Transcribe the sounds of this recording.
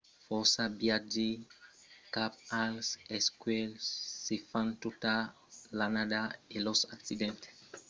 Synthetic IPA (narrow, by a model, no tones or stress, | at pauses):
fɔsabjad͡ʒi | kap̚alsɛskwɛlsifãnt̪uta | lanadaelɔsaksidɛ̃nt̪